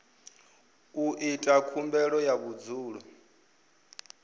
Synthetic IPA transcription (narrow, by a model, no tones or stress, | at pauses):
uʔitʼakʰumbɛɺɔjaβud͡zuːɺu